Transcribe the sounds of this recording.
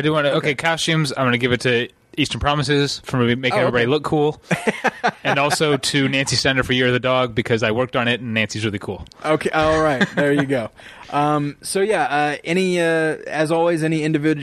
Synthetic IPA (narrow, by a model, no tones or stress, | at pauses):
aɪdɨwɑ̃nɨoʊkʰeɪkʰɑst͡ʃʉ̃mzãɪ̃mɡʌ̃ñɨɡɪvɨtʰɨ | istə̃˞pʰɹ̥ɑmɨsɪz̥fʌ̃imeɪkɛvɹibɑɾilʊkʰːulˠ | ɨ̃nɔlˠsoʊɾʰɨnæ̃nsistæ̃ndə̥˞fə˞jɪɹʌðɨdɔɡ̚bɨkʰʌzaɪwɜ˞k̚tn̩ɪtn̩nːæ̃nsiɨzɹɪlˠikʰulˠoʊkʰolˠɹaɪt̚ðə˞jɨɡoʊ | ʔʌ̃msoʊjæʌɛñiʌɨzɔlˠwizɛñiɪ̃ndɨvɪd͡ʒ